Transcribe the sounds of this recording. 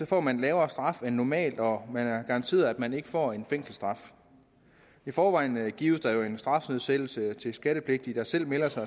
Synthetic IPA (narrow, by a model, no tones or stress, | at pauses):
sɒ̽fɒ̰ːmænlɛːʊɐːsd̥ʁɑ̈fenːɒmɛ̰ːld̥ɒ̽mænæɐɡ̥ɑ̈ʁɑ̈nt͡sʰe̝̰ːɐð̩ˠæd̥mæne̝ɡ̥əfɒ̰ːe̝nfeŋ̰sl̩sd̥ʁɑ̈f | ifɒːʋɑ̈ɪ̰nɡ̥ḭːʊəsd̥ɑ̈jo̝e̝nsd̥ʁɑ̈fnøð̰ˠsel̰l̩sət͡sʰe̝sɡ̥æɾ̥əpʰle̝ɡ̥̚d̥id̥ɑ̈sel̰melɐsɑ̈ɪ